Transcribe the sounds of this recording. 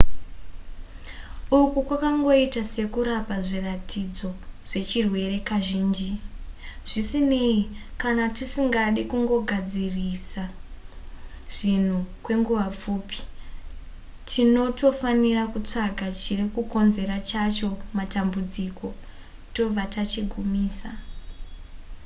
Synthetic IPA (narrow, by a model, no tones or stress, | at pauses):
ukukwakaŋɡo̞itase̞kuɾapaʐiratʰid͡zo̞ʐ̥e̞t͡ʃirwe̞re̞kaʒiːnd͡ʒi | ʐ̥isine̞ikanatisiŋɡaɗikuŋɡo̞ɡʱad͡zirisa | ʐ̥in̤ukwe̞ŋɡuʋap͡fuːpi̥ | tʰino̞to̞fanirakut͡ʂaɡʱat͡ʃirikuko̞nze̞rat͡ʃat͡ʃo̞matambud͡ziko̞ | to̞b͡vatat͡ʃiɡʱumiːsa